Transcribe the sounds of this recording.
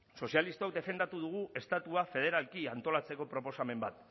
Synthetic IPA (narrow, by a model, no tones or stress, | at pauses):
so̞sialist̪ok̚d̪e̞fe̞nd̪at̪uð̞uɣ̞uʔe̞st̪at̪uafe̞ð̞e̞ɾalkiant̪o̞lat͡se̞ko̞pɾo̞po̞same̞mbat̪